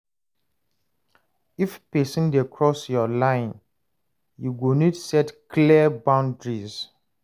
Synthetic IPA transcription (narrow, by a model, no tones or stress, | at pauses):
ifpesĩndekʰɹɔsjɔlãɪ̃n | juɡonitsɛtkʰliəbãʊ̃ndɹiz